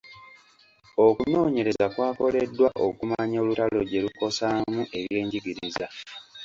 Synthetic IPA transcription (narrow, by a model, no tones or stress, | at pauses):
o̞kuno̞ːɲe̞ɾe̞zakwaːko̞le̞dːwaʔo̞̰kumaɲo̞ːlutalo̞ɟe̞luko̞samuʔe̞βjje̞ːɲɟiɡiɾiza